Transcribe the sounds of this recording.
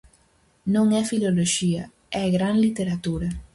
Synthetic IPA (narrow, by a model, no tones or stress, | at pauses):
nõŋɛfiloloʃiɐ | ɛɡɾaŋlit̪eɾat̪uɾɐ